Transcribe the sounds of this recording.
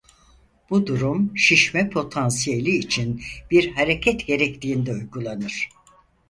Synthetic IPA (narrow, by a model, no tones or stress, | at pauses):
b̥ud̪uɾumʃiʃmɛpʰo̞t̪ʰansijelʲiːt͡ʃʰinb̥iɾɦaɾecʰɛt̪ɟe̞ɾɛct̪ʲiːnd̪ɛujɡulˠanɯɾ̥